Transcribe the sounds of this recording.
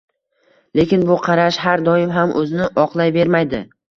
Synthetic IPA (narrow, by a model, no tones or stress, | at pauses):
le̞kʲɪnbʊqʰɑɾaʃɦaɾd̪ɒɪmɦamʔɵzɪnɪʔɒqlˠajbe̞ɾmajd̪ɪ